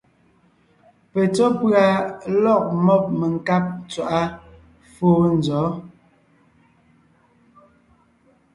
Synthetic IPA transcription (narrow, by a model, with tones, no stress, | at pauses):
pɛ˨t͡sɔ˦pɰa˨lɔ˦˨k̚mɔ˦˨p̚me˨ŋ˨ka˦p̚t͡swa˨ʔa˦ | foː˦n̩˨zɔː˨˦